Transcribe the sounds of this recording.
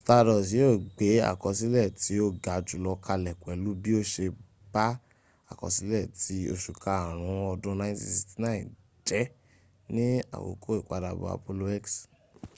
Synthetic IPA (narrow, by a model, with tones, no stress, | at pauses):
sta˧ɾɔ˨s̬jo˦˨ɡ͡be˨˦a̰˦˨kɔ˨si˦lɛ˦˨tʰi˨˦o˦˨ɡa˨d͡ʒu˨lɔ˧kʰa˧lɛ˨kʷwɛ˨lu˨˦bi˦o˦ʃe˧ | ba˦ | a̰˦˨kɔ̰˨si˨˦lɛ˦˨ti˨˦o˧ʃu˨kʰa˨a˨ɾ̃ũ˨˧˦ɔ˧dũ˦nã˧˦ĩ˦si˦˧si˨ti˦nã˦ḭ̃˨ | d͡ʒɛ˨˦ | nĩ˦a̰˨wo̰˨kʰo˦i˦˨kʷa˧da˧bo̰˧a̰˧po˧lo˧ɛ˦ks